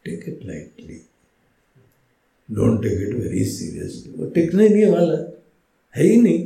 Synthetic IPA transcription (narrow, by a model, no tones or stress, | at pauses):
ʈekɪʈla̰ɪʈli | ɖo̰ːɳʈekiʈʋḛɾḭsḭɾḭə̰sliʋə̰ʈeknajnieʋalə | hejni